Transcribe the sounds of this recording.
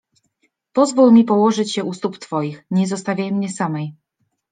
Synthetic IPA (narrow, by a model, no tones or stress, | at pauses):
pɔzvulmʲipɔwɔʐɘt͡ɕjɛʔust̪upt̪fɔjixɲɛzɔst̪avʲjajmɲɛsamɛj